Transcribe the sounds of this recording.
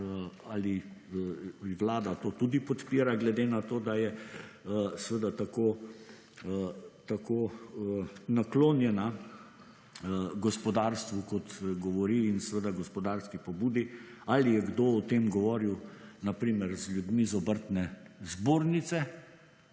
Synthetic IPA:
ali | ʋlaːd̪at̪oːt̪ud̪ipɔt̪piːɾaɡlɛd̪enat̪oːd̪ajɛ | sʋed̪at̪akoː | t̪akoːənakloːnjɛna | ɡɔspɔd̪aːɾst̪ʋukɔt̪ɡɔʋɔɾiːnsɛʋed̪aɡɔspɔd̪aːɾskipɔbuːd̪ialijɛɡd̪oɔt̪emɡɔʋɔːɾiwnapɾiːməɾzlʲjud̪mizɔbəɾt̪nɛzboːɾnit̪sɛ

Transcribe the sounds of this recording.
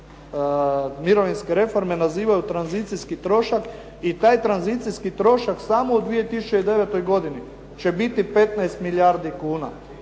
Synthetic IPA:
miɾo̞ʋinskeɾe̞fo̞ɾme̞naziːʋajut̪ɾanzit̪sijskit̪ɾo̞ʃak | it̪aːjt̪ɾanzit̪sijskit̪ɾo̞ʃaksaːmoud̪ʋije̞t̪isut͡ʃeid̪e̞ʋet̪o̞jɡo̞d̪ini | t͡ʃebit̪ipe̞t̪naest̪miljaɾd̪ikuːna̰

